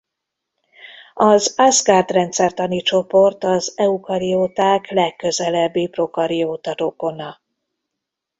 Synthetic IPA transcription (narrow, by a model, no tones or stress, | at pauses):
ɒzazɡaːrd̪rɛnt̪sɛrt̪ɒnit͡ʃo̞po̞rt̪ɒzɛukɒɾijoːt̪aːklɛkːø̞zɛlɛbːiːpro̞kɒɾioːt̪ɒɾoko̞nɒ